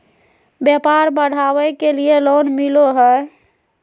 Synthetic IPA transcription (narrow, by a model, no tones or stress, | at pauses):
bjɛpaɾbəɽ̤aʋɛkelielonmiloɦɛ